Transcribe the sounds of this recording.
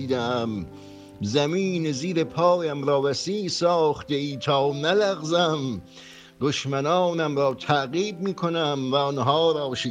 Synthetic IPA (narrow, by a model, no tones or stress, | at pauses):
iːd̪ææm | zæmiːneziːɾepʰɒːjæmɾɒːvæsiːsɒːχt̪eiːt̪ʰɒːnælæɣzæm | d̪̥oʃmænɑːnæmɾɒːt̪ʰæʔɣiːd̪̚miːkʰonæmvæɔnɦɑːɾɑːʃe